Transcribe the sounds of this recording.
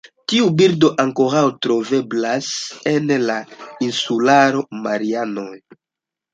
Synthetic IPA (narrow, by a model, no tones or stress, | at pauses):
tiubiɾdo̞ʔaŋko̞ɾawtɾo̞ve̞blase̞nlainsulaɾo̞maɾiano̞j